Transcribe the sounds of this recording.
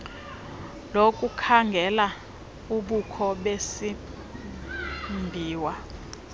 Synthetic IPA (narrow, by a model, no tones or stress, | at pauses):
lokʼukʰaŋɡʱɛla | uɓukʰɔɓesi | mbʱiːwa